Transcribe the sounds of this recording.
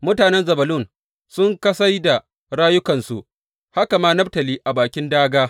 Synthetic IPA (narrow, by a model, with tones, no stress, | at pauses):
mʊ˦taː˨nɛ˦nzɐ˨bɐ˨lʊ˦˨n | sʊ˦ŋkɐ˦sa˦jda˨ | ɽaː˦jʊ˦kɐ˨nsu˨ʔ | ha˦ka˨maː˦nɐ˦b̚tɐ˨liː˦ʔa˨baː˨kʲɪ˦ndaː˦ɡaː˦